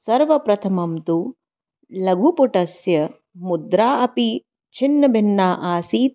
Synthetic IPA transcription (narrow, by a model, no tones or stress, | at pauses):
sɐɾʋɐpɾɐt̪ʰɐmɐmt̪u | lɐɡʱupuʈɐsjɐ | mud̪ɾaːʔɐpi | t͡ʃʰinːɐbʱinːaːʔaːsiːt̪